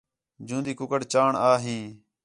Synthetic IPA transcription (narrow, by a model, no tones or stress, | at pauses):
d͡ʒũːnd̪iːkʊkəɽt͡ʃaːɳaːɦĩː